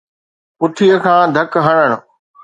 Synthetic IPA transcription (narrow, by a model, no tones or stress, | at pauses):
pʊt̪ʰijəkʰãːd̪ʱɐkɦɐɽ̃əɽ̃ʊ̆